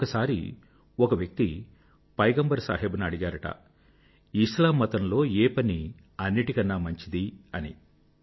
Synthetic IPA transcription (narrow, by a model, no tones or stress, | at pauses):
ɔkɐsaːɾḭ | ɔkɐʋjɐk̚t̪i | pɐjɡɐmbɐɾsa̰ːɦeːbɐnɐɽiɡaːɾɐʈɐ̰ | iʃlaːmːɐt̪ɐnlo̞ːeːpɐni | ɐnːiʈikɐnːaːmɐɲt͡ʃid̪iɐnḭ